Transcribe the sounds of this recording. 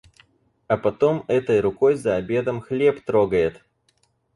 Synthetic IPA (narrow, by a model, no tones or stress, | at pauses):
ɐpɐt̪o̞mɛt̪əjɾʊko̞jzɐɐbʲe̞d̪əmxlʲe̞pt̪ɾoɡəjɪt̪